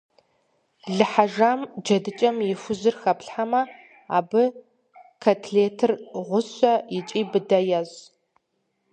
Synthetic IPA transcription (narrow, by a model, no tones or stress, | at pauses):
ɮɨħaʒaːmd͡ʒɐdɨt͡ʃʼɐmjɪfʷʊzɨrxɐpɬħamɐ | a̰ːbɨ | kʰɐtʰɮeːtʰɨrʁʷʊsʷʼɐjɪt͡ʃʼiːbɨdɐjɐz